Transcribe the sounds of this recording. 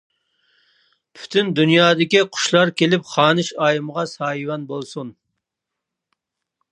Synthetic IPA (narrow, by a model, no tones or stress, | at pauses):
pʰy̥t̪ʰynd̪unjɑːd̪ɪkʲiqʰʊ̥ʃlˠɑɾkʲelɪpχɑːnɨʃɑːjɨməʁɑsɑjwɑnbolˠsun